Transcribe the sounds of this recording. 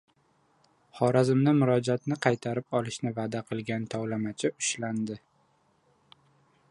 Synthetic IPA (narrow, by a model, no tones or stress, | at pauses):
χɒɾazɪmnɪmʊɾɒd͡ʒat̪nɪqʰɑjt̪ʰaɾɪpɒlˠɪʃnɪvad̪aqʰɨlˠɡʲant̪ʰɒwlamat͡ʃʰɪʊ̥ʃland̪ɪ